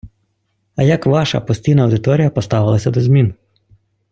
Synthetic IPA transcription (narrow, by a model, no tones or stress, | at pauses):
ɐjɐkʋɑʃɐ̰pɔsʲtʲijnɐɐwd̪ɪt̪ɔɾʲijɐpɔst̪ɑʋɪlˠɐsʲɐd̪ɔzʲmʲin